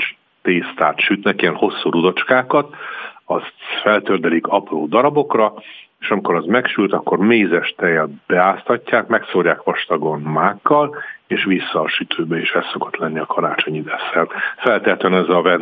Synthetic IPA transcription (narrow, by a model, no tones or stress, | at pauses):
t͡ʃ | t̪eːst̪aːrt̪ʃyt̪nɛkijɛnho̞sːuɾud̪o̞t͡ʃkaːkɒt̪ɒst̪fɛlt̪ørd̪ɛlikɒproːd̪ɒɾɒbo̞krɒeːʃɒmikoɾɒzmɛkʃylt̪ɒkːo̞rmeːzɛʃt̪ɛjɛlb̥ɛaːst̪ɒcːaːkmɛksoːrjaːkʋɒʃt̪ɒɡo̞nmaːkːɒleːʃʋisːɒːʃyt̪ʰøːbɛeːʃɛst̪ːo̞ko̞̥t̪lɛnːiɒkʰɒɾa̰ːt͡ʃo̞ɲid̪ɛsːɛrt̪fɛlt̪ɛt̪ønɛzɒvɛn